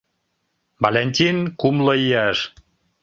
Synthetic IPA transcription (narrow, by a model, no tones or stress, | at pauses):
balʲenʲt̪ʲinkumləiæʃ